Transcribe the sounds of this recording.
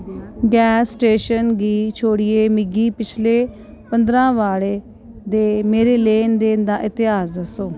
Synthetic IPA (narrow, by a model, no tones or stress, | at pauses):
ɡɛːsːʈeːʃənɡiːt͡ʃʰoːɽɪeːmɪɡiːpɪt͡ʃʰleː | pənd̪ɾãːʋaːɽeː | d̪eːmeːɾeːleːnd̪eːnd̪aːʔɪt̪ɪɦaːsd̪əsoː